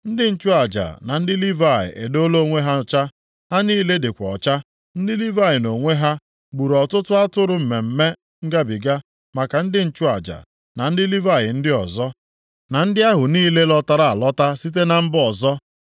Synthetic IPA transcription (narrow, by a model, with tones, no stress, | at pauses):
n̩˦dɪ˦n̩˦t͡ʃu˦a˨d͡ʒa̰˨na˨n̩˦dɪ˦li˦va˨ɪ̰˨ʔe˨do˦lo˦ŋʷe˦ɦa˦˨t͡ʃa˦ | ha˦niː˦le˦dɪ˨kʷɔ˨t͡ʃa˦ | n̩˦dɪ˦li˦va˦˨ɪ˨no˨ŋʷe˦ɦa˦ | ɡ͡bu˨ɾɔ˨tʊ˦tʊ˦a˦tʊ˦ɾʊ˦m̩˨me˨m̩˨me˦ | ŋ̩˦ɡa˦bi˨ɡa˦ | ma˨ka˨n̩˦dɪ˦n̩˦t͡ʃu˦a̰˨d͡ʒa̰˨ | na˨n̩˦dɪ˦li˦va˦˨ɣɪ̰˨n̩˦dɪ˦ɔ˨zɔ˦ | na˨n̩˦dɪ˦a˦ɦʊ˨niː˦le˦lɔ˦ta˦ɾa˨a˨lɔ˦ta˦si˦t̬e˦na˨m̩˦bɔ˨zɔ˦